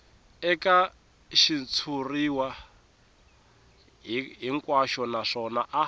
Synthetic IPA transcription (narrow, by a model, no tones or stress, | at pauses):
ɛka | ʃint͡sʰuriwa | ɦɦiŋkʼwaʃɔnaʂɔnaʔa